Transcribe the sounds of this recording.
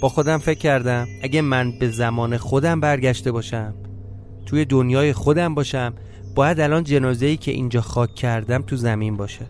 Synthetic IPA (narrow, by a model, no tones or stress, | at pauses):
b̥ɒːxo̞d̪æmfe̞cʰːæɾd̪æmæɟʲemænbe̞zæmɒːne̞xo̞d̪æmbæɾɟæʃt̪e̞bɒːʃæm | t̪ʰuːje̞d̪onjɒːje̞xo̞d̪æmbɒːʃæm | b̥ɒːjæd̪ælɒːnd͡ʒe̞nɒːze̞iːcʰe̞̰ʔḭːnd͡ʒɒːxɒːcʰːæɾd̪æmt̪ʰuzæmimbɒːʃæd̪